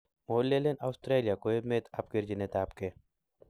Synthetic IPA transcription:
moːlːelenaʊst̪ɾeːlijakoemet̪ʰap̚keɾd͡ʒinet̪aːpke

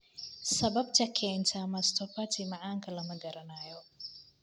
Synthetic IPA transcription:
sɐβɐbt̪ʰɐkʰɛːnt̪ʰɐmɐst̪ʰɔfɐt̪ʰimɑʕaːŋkʰɐlɐmɐɡɐɾɐnaːjɔ

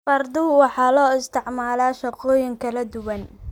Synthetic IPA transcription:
fɐrd̪ʊwɑħɑːlɔːɪst̪ʰɪʕmaːlaːʃɐqɔːjɪŋkʰɐlɐd̪ʊwɐn

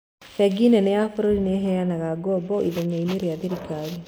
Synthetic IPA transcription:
fɛɡinɛnɛjafoɾoɾineɦɛanaɣaɡɔbɔʔḭðoɲaineɾeaðiɾikaɣi

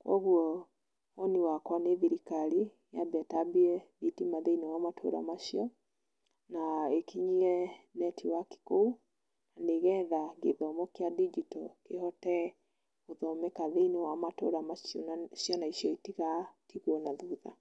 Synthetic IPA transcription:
kwʔɔ̰ɣuɔ | ɔniwakwaneðiɾikaɾi | jabɛtabiɛðitimaðeinɔwamatʰo̰ɾa̰maʃiɔ | naekʰiɲiɛnɛtiwaki̥kou | naneɣɛðaɡeðɔmɔkeadid͡ʒitɔkehɔtɛ | oðɔmɛkaðeinɔwamato̰ɾamaʃjɔnsjɔnaisjɔitiɣatiɣwɔnaðuða̰

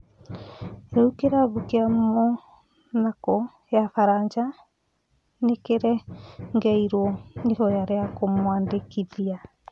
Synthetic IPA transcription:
ɾɛukeɾaβukeammɔ | nakɔ | jafaɾaɲd͡ʒa | nekeɾɛŋɡɛiɾwɔnehɔjaɾeakomwaːndekiðia

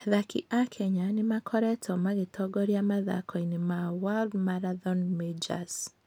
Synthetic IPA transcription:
ðakʰḭʔakʰɛɲanɪmakʰɔɾɛtʰɔmaɡɪtʰɔɡɔɾjamaða̰kɔinɪmawaldmaɾaðɔnmed͡ʒa̰s

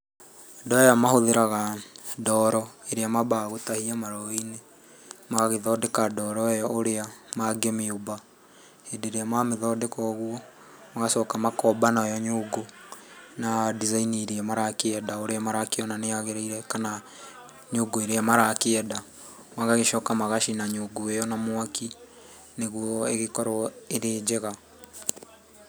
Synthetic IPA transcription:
dɔɔjamahoðeɾaɣadɔɾɔeɾeamabaɣotahiamaɾɔine | maɣaɣeðɔːdekadɔɾɔjɔoɾeamaɡemeoba | hendeɾeamameðɔdekɔɣwɔ | maɣasɔkamakɔbanajɔɲoːɡo | nadizainiɾiɛmaɾakeɛdaoɾeamaɾakeɔnaneaɣeɾeiɾɛkana | ɲoːɡoeɾeamaɾakeɛda | mwaŋɡaɣeʃɔkamaɣaʃinaɲoɡoɛjɔnamwaki | neɣwɔeɣekɔɾɔeɾeːd͡ʒeɣa

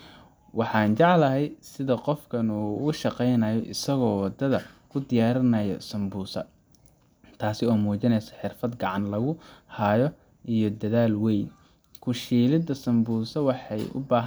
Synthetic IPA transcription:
wɑħɑːnt͡ʃɑʕlɐɦɛjsɪðɐqɔfkʰɐnuːʊʃɑqɛjnɐjɔʔɪsɐɣɔːwɑd̪ɐðɐkʰʊd̪ɪjaːɾɪnɐjɔ̰sɐmbuːsɐ̰ | t̪ʰaːsɪɔːmuːt͡ʃɪnɛjsɐ̥ħɪrfɐd̪ɡɑʕɑnlɐɣʊhɐjɔ | ʔijɔd̪ɐðaːlwɛjn | kʰʊʃiːlɪd̪ɐsɐmbuːsɐwɑħɑjʊ̰baːɦ

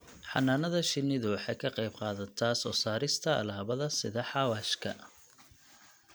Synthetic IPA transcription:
ħɑ̰nːaːnɐðɐʃɪnɪðʊwɑħɑjkʰɐqɑjb̚qɑːðɐt̪ʰasɔːsaːɾɪst̪ʰɐ̰ːlaːβɐðɐsɪðɐħɑwaːʃkʰɐ̰

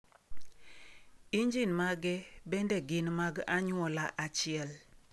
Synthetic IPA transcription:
iɲd͡ʒinmaɡɛbɛndɛɡɪnmaɡaɲwɔlaʔat͡ʃiɛl

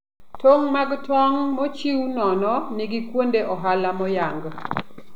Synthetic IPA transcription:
toŋmaɡtwɔŋmɔt͡ʃiunɔnɔnɪɡikwondeʔɔɦalamɔjaŋɡ

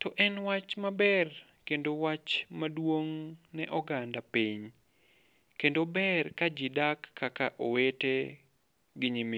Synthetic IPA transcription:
tɔʔɛnwat͡ʃmabɛr | kendowat͡ʃmadwoŋnɛʔɔɡandapiɲ | kendobɛrkad͡ʒidakːaka̰ʔowete | ɡɪɲimi

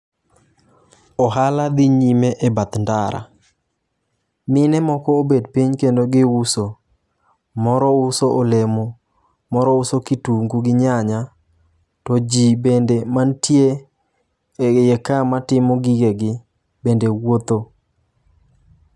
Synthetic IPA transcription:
ɔɦalad̪iɲimeʔebat̪ndaɾa̰ | mɪnɛmɔkɔobedpiɲkendoɡɪuso | mɔɾɔusoʔolemɔ | mɔɾɔusokituŋɡuɡɪɲaɲa | tɔd͡ʒibendemantje | jɛkamatɪmɔɡiɡeɡɪ | bendewot̪o

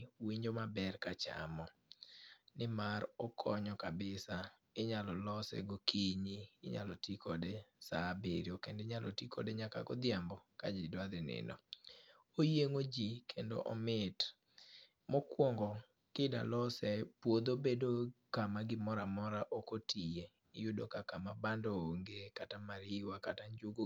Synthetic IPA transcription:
wiɲd͡ʒomabɛrkat͡ʃa̰mɔ | nɪmaɾɔkʰɔɲɔkabɪsa | ɪɲalɔlɔsɛ̰ɡokʰiɲiːɲa̰lɔtikʰɔdɛsabeɾjokendɪɲalʔɔtikʰɔ̰dɛɲaka̰ɡɔd̪jambɔka̰d͡ʒɪdwad̪ɪnɪ̰nɔ̰ | ojeŋod͡ʒikʰendo̰ʔɔ̰mɪt | mɔkwɔŋɡɔ | kɪda̰lɔsɛpwod̪obedokamaɡɪmɔɾamɔɾaʔokotije | ɪjʊdokakamabandooŋɡekatamaɾɪwakataɲd͡ʒʊɡo

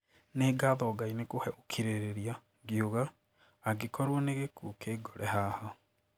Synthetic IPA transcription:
neːɡaðɔːɡainekohɛʔokʰiɾeɾeɾia | ɡjoɣaː | ɡekɔɾwɔneɣekuːkʰeːɡɔɾɛhahɔ

